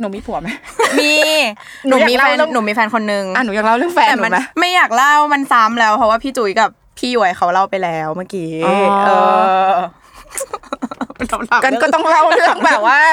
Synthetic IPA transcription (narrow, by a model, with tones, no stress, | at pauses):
nuː˩˦miː˧pʰu˨˩˦ma˦˥miː˧ | nuː˨˦˨miː˧ɛ˨˧˥nuː˩˦miː˧˩fɛː˧nkʰo˧nːɯ˨˧ŋa˧˩nuː˩˦jaː˨˩k̚la˥˩wlɯ˥˨ŋfɛː˧ɛː˨˩ma˧˦ma˦ma˥˩jaː˨˩k̚la˥˩wma˧nsaː˨˦˥mlɛː˦˥wpʰɔ˦˥waː˥˩pʰiː˥˩t͡ɕuː˩˦jka˨˩p̚pʰːiː˥˩ju˨˩ə˦jkʰa˦˥wla˥˩wpa˧jlɛː˨˦˥wmaː˥˩kiː˨˦ʔɤː˧˩ | ta˨˩ka˧nkɔ˥˧t̪ɔ˥˩ŋla˥˩wla˨˦ŋbɛː˨˩p̚waː˥˩